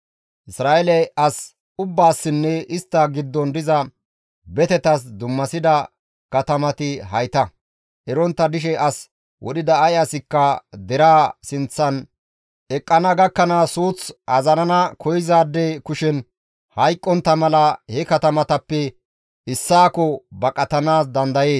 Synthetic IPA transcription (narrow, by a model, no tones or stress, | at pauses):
ʔɪsɾaːʔɛlɛɐs | ʊbːaːsːɪnːɛʔɪst̪ːɐɡɪd̪ːɔnd̪ɪzɐ | bɛt̪ɛt̪ɐs̬d̪ʊmːɐsɪd̪ɐ | kɐt̪ɐmɐt̪ɪɦɐjt̪ɐ | ʔɛɾɔnt̪ːɐd̪ɪʃ̬ɛʔɐs | wʔɔ̰ɗɪd̪ɐːjasɪkːɐd̪ɛɾaːsɪnt͡sːɐn | ʔɛkʼːɐnɐɡɐkːɐnasuːt͡sɐzɐnɐnɐkʰɔjɪzaːd̪ːɛkʊʃɛn | hɐjkʼːɔnt̪ːɐmɐlɐhɛkɐt̪ɐmɐt̪ɐpːɛ | ʔɪsːaːkɔbɐkʼɐt̪ɐnaːs̬d̪ɐnd̪ɐje̞ːs